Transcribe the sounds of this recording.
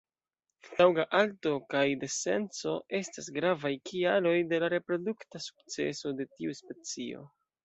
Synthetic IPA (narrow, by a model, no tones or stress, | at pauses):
lawɡaʔalto̞kajde̞se̞nt͡so̞e̞stasɡɾavajkʰialo̞jde̞laɾe̞pɾo̞duktasu̥kt͡se̞̰so̞de̞tiuspe̞t͡sio̞̰